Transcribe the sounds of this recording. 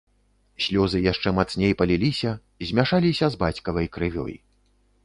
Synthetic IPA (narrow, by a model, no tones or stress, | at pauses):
sʲlʲɔzɨjaʂt͡ʂɛmat̪snʲejpɐlʲilʲisʲɐ | izʲmʲaʂalʲisʲɐzbat͡sʲkɐvɐjkɾɨvʲɔ̰j